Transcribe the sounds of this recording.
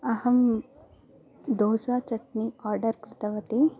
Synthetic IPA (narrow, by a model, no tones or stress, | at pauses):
ɐhɐm | d̪oːsaːt͡ʃɐʈniaːɾɖɐɾkɾɪt̪ɐʋɐt̪i